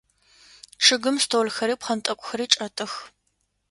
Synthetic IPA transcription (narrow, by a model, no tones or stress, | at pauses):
ʂʰɨɡɨmstʰoːlxɐɾiːpχɐntʼɐkʷʼʊxɐɾiːʈ͡ʂʼɐtʼɨx